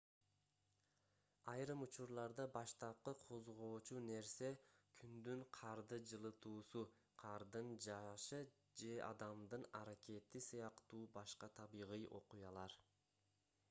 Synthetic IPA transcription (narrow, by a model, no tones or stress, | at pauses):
ɑjɾɯmut͡ʃuɾlˠɑɾd̪ɑbɑʃt̪ɑp̚qɯqʰo̞zʁo̞ːt͡ʃune̞ɾse̞kʰynd̪yɴqʰɑɾd̪ɯd͡ʒɯlˠɯt̪uːsu | qʰɑɾd̪ɯnd͡ʒɑʃɯ | d͡ʒe̞ʔɑ̰d̪ɑmd̪ɯnɑɾake̞t̪isɯjɑqt̪uːbɑʃqɑt̪ʰɑβiʁɯjʔo̞̰qujɑlˠɑɾ